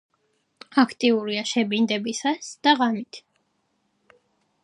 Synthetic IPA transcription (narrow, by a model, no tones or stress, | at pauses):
akʰt̪ʼiuɾiaʃɛbind̪ɛbisasd̪̥aʁamit̪ʰ